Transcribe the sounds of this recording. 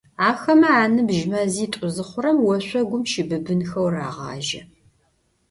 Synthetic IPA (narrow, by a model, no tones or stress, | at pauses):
aːxɐmɐaːnɨbʒmɐziːtʷʼʊzɨχʷʊɾɐmwɔɕʷɔɡʷʊmʃɪbɨbɨnxɐwra̰ːʁɑ̰ːʒɐ̰